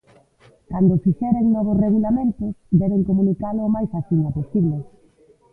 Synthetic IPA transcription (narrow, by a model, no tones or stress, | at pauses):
kand̪ʊfiʃɛɾeŋnɔβ̞osreɣulamẽnt̪ʊsd̪ɛβeŋkomunikalʊːmajsaθiɲaposiβle